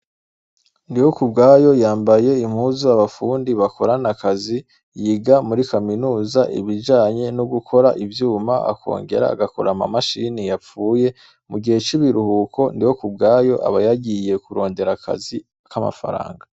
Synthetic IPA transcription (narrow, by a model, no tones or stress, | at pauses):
ndijo̞kubɡaːjo̞jaːmbaje̞im̥huzuaβafuːndiβako̞ɾanakazi | jiɡamuɾikaminuːzaʔḭβiʒaːɲe̞nuɡukʰo̞ɾaʔivjuːmaa̰kʰo̞̰ːŋɡe̞̰ɾa̰ːɡako̞ɾama̰maʃinijap͡fuːje̞ | muɡihe̞t͡ʃiβiɾuhuːkʰo̞ndiwokub̚ɡaːjo̞ʔa̰βajaɡije̞kuɾo̞ːnde̞ɾakʰa̰zi | kama̰fa̰ɾa̰ːŋɡa